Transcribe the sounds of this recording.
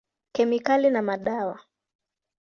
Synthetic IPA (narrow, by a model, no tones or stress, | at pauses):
kɛmikalinamaɗawa